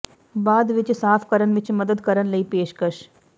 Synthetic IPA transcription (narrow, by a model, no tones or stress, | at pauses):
baːd̪ʋɪt͡ʃsaːpʰkɐɾənʋɪt͡ʃmɐd̪əd̪kɐɾənlɐiːpeːʃkəʃ